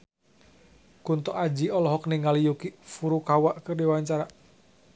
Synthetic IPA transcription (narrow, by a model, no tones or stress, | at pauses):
kunt̪ɔʔad͡ʒiɔlɔɦɔkniŋalijukifuɾukawaʔkɨrdiwaɲt͡ʃaɾa